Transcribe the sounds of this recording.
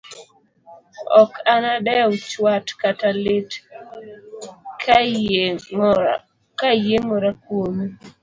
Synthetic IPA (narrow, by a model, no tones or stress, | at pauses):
ɔkanadɛʊt͡ʃwatkatalɪt | kʰ | kajeŋɔɾakwome